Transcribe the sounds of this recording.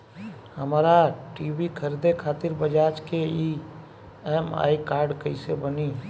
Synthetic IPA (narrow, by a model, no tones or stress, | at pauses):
hɐmaːɾaʈiːbikʰəɾd̪ekʰaːt̪ɪɾbəd͡ʒaːt͡ʃkei | ɛːma̰ːikaːɾɖkəisebəni